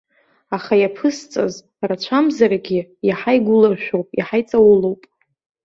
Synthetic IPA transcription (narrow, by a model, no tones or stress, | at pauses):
aχajapʰɨst͡sʼa̰z | rat͡ɕʷʰamzaɾaɡʲijaħajɡʷʊlaʃᶣowpʼiħajt͡sʼawulowpʼ